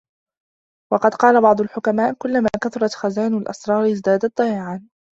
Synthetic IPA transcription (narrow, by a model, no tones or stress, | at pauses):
wɑqɑd̪qɑːlabɑʕd̪ˤʊlħʊkamaːʔkʊlːamaːkat̪ʊɾˤɑt̪xazaːnʊlʔɑ̰sɾˤɑːɾɪzd̪aːd̪at̪̚ːˤɑjaʕaːn